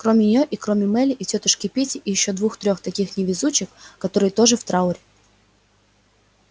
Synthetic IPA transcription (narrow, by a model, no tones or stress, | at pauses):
kɾomʲɪnʲɪjoʔikɾomʲɪmɛlʲɪʔitʲot̪ɨʂkʲɪpʲitʲɪʔijɪɕːod̪vuxt̪ɾʲoxt̪ɐkʲixnʲɪvʲɪzut͡ɕɪkːɐt̪oɾɨjət̪oʐɨft̪ɾaʊɾʲɪ